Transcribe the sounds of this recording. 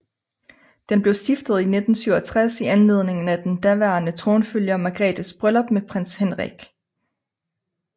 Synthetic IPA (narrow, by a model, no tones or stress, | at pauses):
d̥enb̥le̝ʊsd̥ifd̥əð̞̩ˠine̝d̥n̩syʊɒt͡sʰʁasiænle̝ðˠne̝ŋn̩æd̥end̥æʋæːɐnət͡sʰʁo̝ːnføljɐmɑ̈ɡ̥ʁɛ̰ːd̥əsb̥ʁœlɒb̥mepʰʁan̰shenʁḭɡ̥